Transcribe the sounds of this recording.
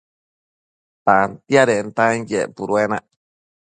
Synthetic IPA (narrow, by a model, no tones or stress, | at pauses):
t̪ant̪jaɾent̪anjepuɾuenaʔ